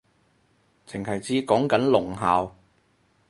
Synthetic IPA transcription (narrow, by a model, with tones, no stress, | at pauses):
t͡sɪ˨˩ŋhɐ˨˩jt͡siː˧kɔː˨˥ŋkɐ˨˥nlʊ˨˩ŋɦaː˨w